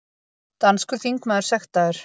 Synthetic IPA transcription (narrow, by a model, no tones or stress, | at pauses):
t̪anskʏɾ̥θiŋkmaðʏɾ̥sɛxt̪aðʏɾ̥